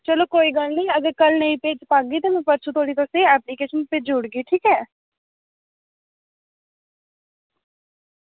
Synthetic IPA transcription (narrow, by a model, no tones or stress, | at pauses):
t͡ʃəloːkoːiːɡəlnĩːəɡəɾkəlnəĩːpeːd͡ʒpaːɡiːt̪eːmɛ̃ːpəɾt͡ʃʰũːt̪ʰoːɽiːt̪oːseːɛːpliːkeːʃənpeːd͡ʒʊɽɡiːʈʰiːkɛː